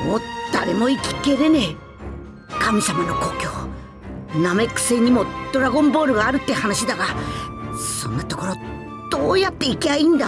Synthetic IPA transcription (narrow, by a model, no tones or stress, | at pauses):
moːd̪̥aɾemo̞ikʲi̥keɾe̞ne | kamʲisamano̞ko̞ːkʲo̞ː | namekɯ̟̥sẽ̞ɲ̟ːimo̞d̪̥oɾaɡõ̞mbo̞ːɾɯ̟ɡaːɾɯ̟t̪ːehanaɕid̪aɡa | sõ̞̰nːat̪o̞ko̞ɾo̞ | d̪̥oːjat̪ːe̞ikʲiaĩnd̪a